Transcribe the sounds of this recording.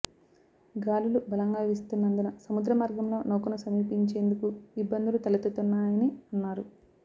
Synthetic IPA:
ɡaːlulubɐlɐŋɡaːʋist̪unːɐnd̪unɐsɐmud̪ɾɐmaːɾɡɐmlo̞ːnoːkɐnusɐmiːpiɲt͡ʃe̞ːnd̪ukuibːɐnd̪ulut̪ɐlɐt̪ut̪unːaːjɐniɐnːaːɾu

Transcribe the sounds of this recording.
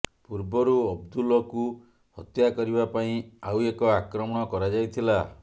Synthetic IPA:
puɾbɔɾuɔbd̪ulɔku | hɔ̰t̪jakɔɾibapaĩawekɔakɾɔmɔɽ̃ɔkɔɾad͡ʒajt̪ʰila

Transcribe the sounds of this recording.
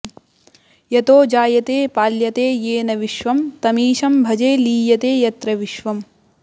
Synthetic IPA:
jɐt̪oːd͡ʒaːjɐt̪eːpaːljɐt̪eːjeːnɐʋiʃʋɐmt̪ɐmiːʃɐmbʱɐd͡ʒeːliːjɐt̪eːjɐt̪ɾɐʋiʃʋɐm

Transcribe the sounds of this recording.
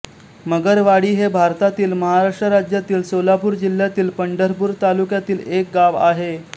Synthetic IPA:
məɡəɾʋaɽiːɦebʱaɾt̪at̪iːlməɦaɾaʂʈɾəɾad͡ʑjat̪iːlsolapuːɾd͡ʑil̤jat̪iːlpəɳɖəɾpuːɾt̪alukjat̪iːlek̚ɡaʋaɦe

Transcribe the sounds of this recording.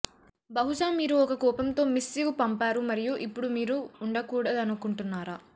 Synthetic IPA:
bɐɦuʃaːmiːɾuɔkɐkɔːpɐmt̪o̞ːmisːiɡupɐmpaːɾumɐɾijuʔipːuɽumiːɾuːɳɖɐkuːɽɐd̪ɐnukuɳʈunːaːɾa

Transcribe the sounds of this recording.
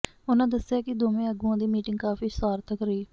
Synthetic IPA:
ʊnãːd̪əsːɪjaːkɪd̪oːmẽːəɡuãːd̪iːmiːʈɪŋɡkaːfiːsaːɾt̪ʰəkɾiː

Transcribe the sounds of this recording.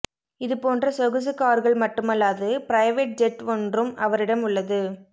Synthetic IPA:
ɪðɯpoːndrɐsɔɣɯsɯkaːɾɣɐɭmɐʈːɯmɐlːaːðɯpɾɐɪʋeːʈ̚d͡ʒɛʈɔndrɯmɐʋɐɾɪɽɐmʊɭːɐðɯ

